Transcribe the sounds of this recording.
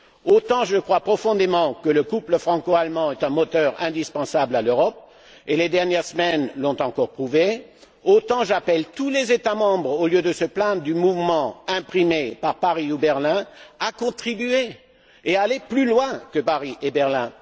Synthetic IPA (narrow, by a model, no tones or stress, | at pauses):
ot̪ɑ̃ʒəkχwapχɔfɔ̃d̪emɑ̃kələkupləfχɑ̃koalmɑ̃ɛt̪ɛ̃mɔt̪œʁɛ̃d̪ispɑ̃sablaløʁɔp̚ | eled̪ɛʁnjɛʁsəmɛnlɔ̃t̪ɑ̃kɔʁpχuve | ot̪ɑ̃ʒapɛlt̪ulezet̪amɑ̃bʁoljød̪əsəplɛ̃d̪ʁd̪ymuvmɑ̃ɛ̃pχimepaʁpaʁiubɛʁlɛ̃akɔ̃t̪χibye | ealeplylwɛ̃kəpaʁiʔebɛʁlɛ̃